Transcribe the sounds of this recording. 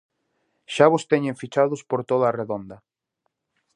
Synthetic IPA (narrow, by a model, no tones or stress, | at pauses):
ʃaβʊst̪eɲẽɱfit͡ʃaðʊspoɾt̪oðaːreðond̪ɐ